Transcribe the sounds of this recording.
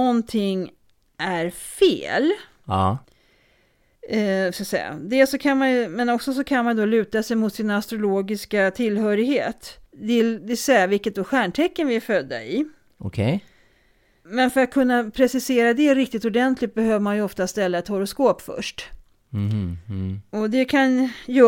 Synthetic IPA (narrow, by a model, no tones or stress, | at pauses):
nɔnt̪ʰɪŋː | ʔæɾfḛːlː | skasɛ̰jːa̰d̪ɛsɔkʰanmanjɵmɛnɔksɔs̬ɔkʰanmanjd̪ɔlʉ̟ːt̪asɛjmʊt̪sɪnast̪ɾʊloːɡɪskat̪ʰɪlːhœːɾɪɡhḛːt̪d̪ɪld̪ɪsɛjavɪlkːət̪̚d̪ɔɧæːɳʈʰɛkːənvɪæɾfœd̪ːa̰ɪ | ɔkʰɛj | mɛnfœɾat̪̚kʰɵnːapʰɾɛsɪseːɾad̪ɛɾɪk̚t̪ɪt̪ʊɖɛnt̪ʰlɪt̪̚bɛɦøːvəɾmanjɵɔft̪ast̪ɛlːaɛt̪hɔɾʊskoːpfœ̰ʂʈ | ɔd̪ɛkʰanjœː